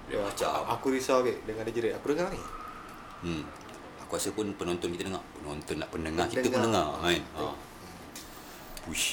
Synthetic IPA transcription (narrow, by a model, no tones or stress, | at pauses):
jat͡ʃa̰akuɾisawɡɛʔdəŋadad͡ʒəɾeʔakudəŋani | akuasəpʊnpənɔnt̪ɔnkit̪ənəŋapənont̪ɔnːaʔpənəŋakiəəndəŋaaina | puʃ